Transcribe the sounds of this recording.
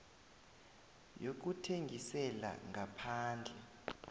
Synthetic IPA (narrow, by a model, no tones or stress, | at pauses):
jok̬utʰeŋɡʱisɛla̰ŋʱapʰaːnd͡ɮʱɛ